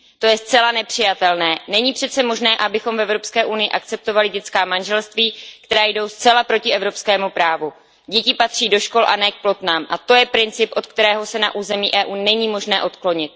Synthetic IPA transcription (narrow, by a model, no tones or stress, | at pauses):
t̪o̞jɛst͡sɛlanɛpr̝̥ɪjat̪ɛlnɛːnɛɲiːpr̝̥ɛt̪t͡sɛmoʒnɛːʔabɪxo̞mvɛvɾo̞pskɛːʔunɪjɪʔakt͡sɛp̚t̪ovalɪɟɛt͡skaːmanʒɛlst̪viːkt̪ɛɾaːjdo̞wst͡sɛlapɾo̞cɪɛvɾo̞pskɛːmupɾaːvu | ɟɛcɪpat̪r̝̥iːdo̞ʃko̞lʔa̰nɛːk̚plo̞t̪naːmʔat̪o̞jɛpɾɪnt͡sɪpʔot̪̚kt̪ɛɾɛːɦo̞sɛna̰ʔuːzɛmiːʔɛːʔuːnɛɲiːmo̞ʒnɛːʔo̞t̪klo̞ɲɪt̪̚